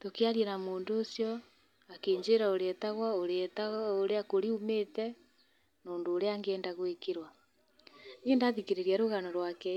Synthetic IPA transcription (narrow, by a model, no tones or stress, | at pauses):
tokeaɾjenamoːndoːsjɔ | akeːɲd͡ʒeɾaoɾeɛtaɣwaoɾetaɣoɾeakoɾiumetɛ | noːndoːɾeaŋɡɛːndaɣwekeɾwa | neːndaðikeɾeɾiaɾoɣanɔɾwakɛ